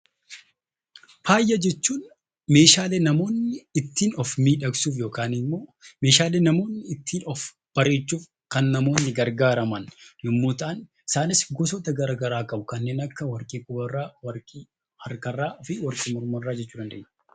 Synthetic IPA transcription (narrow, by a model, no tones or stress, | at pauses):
faːjːɐd͡ʒɛt͡ʃːuːn | me̞ːʃaːleːnɐmo̞ːnːɪɪt̪ːiːnɔfmiːᶑɐksuːf̬jo̞ːkaːnɪmːo̞ːme̞ːʃaːle̞ːnɐmo̞ːnːɪɪt̪ʰːiːnɔf | b̥ɐɾe̞ːt͡ʃːuːf | kɐnːɐmo̞ːnːɪɡɐɾɡaːɾɐmɐnjʊmːo̞ːt̪ɐʔɐn | ɪ̥saːnɪsɡɔsɔt̪ɐɡɐɾaːɡɐɾaːkʼɐbʊkɐnːe̞ːnɐkːɐwɐɾkʼiːkʼʊbɐrːawɐɾkʼiː | ɐɾkɐrːaːʔɔfɪwɐɾkʼiːmɔɾmɐrːaːd͡ʒɛt͡ʃːuːd̪ɐnd̪ɐ̰ḛʔɲ